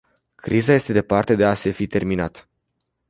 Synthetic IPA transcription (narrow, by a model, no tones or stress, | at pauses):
kɾizaje̞st̪e̞d̪e̞part̪e̞d̪e̞ase̞fit̪e̞rminat̪